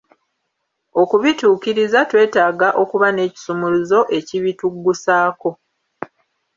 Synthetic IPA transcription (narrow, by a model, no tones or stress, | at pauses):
o̞kuβituːkiɾizatwe̞ːtaːɡaʔo̞kuβane̞ːci̥sumuluzo̞ʔe̞ciβituɡːusaːko̞